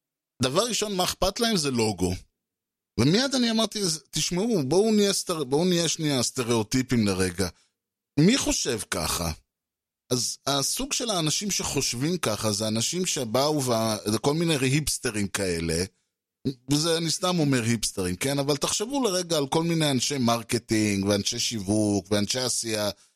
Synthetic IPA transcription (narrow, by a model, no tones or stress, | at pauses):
d̪avaʁːiʃo̞nmaeχpat̪lae̞mze̞lo̞ɡo̞ | vemiadaniamaʁt̪izt̪iʃmeubo̞uniest̪eʁbounijeʃniast̪e̞ʁe̞ot̪ipimle̞ʁe̞ɡa | miχo̞ʃe̞vka̰χa̰ | azasuɡʃe̞laːnaʃimʃeχo̞ʃvimkaχazeanaʃimʃe̞bauveazeko̞lminejɦipst̪eʁimkae̞le̞ | vezeanist̪amo̞meʁhipst̪eʁimke̞navalt̪aχʃe̞vuleʁeɡaːlko̞lmine̞janʃe̞jmaʁket̪iŋɡveanʃe̞jʃivukveanʃe̞jasija